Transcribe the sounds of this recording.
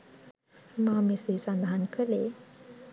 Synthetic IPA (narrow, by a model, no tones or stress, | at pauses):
maːmesesand̪aɦankʰəle